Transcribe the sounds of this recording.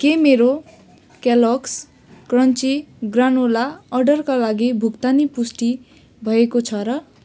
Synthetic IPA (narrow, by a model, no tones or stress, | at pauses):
kemeɾo | keloks | krʌnt͡siɡranolaʌrɖʌrkalaɡibʱukt̪anipusʈi | bʱʌekot͡sʰʌɾʌ